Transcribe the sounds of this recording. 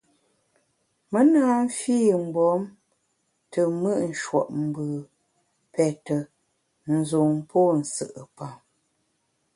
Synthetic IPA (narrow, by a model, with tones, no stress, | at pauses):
mə˦naː˦m̩˦fiː˦˨m̩˨bɔ˨˦m | tə˨mɨ˦ʔn̩˨ʃwɔ̰˨ʔm̩˨bɨ˨ | pɛ˨tə˨ | n̩˨zo˨ŋpʰo˦˨n̩˨sɨ˨ʔə˨pa˨m